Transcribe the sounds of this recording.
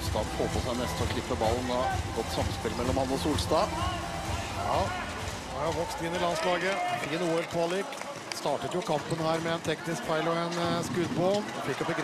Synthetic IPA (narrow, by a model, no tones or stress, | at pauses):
st̪ɑːd̪foːpʰɔsæɪnɛst̪ɔklɪpːəbɑlːn̩ɑɡɔt̪ːsɑmspɪlmɛlːɔmɑnːɔsuːlst̪ɑː | jɑː | ɑɾjɑʋɔkst̪ɪnːɪlɑnslɑːɡəɪənuːoɾpʰɔɑlɪk | st̪ɑːʈət̪jʊkʰɑmpənhæːɾmɛɛnt̪ʰɛknɪskfæɪlɔɛnskʉd̪boːmfɪkːɔbəɡɾ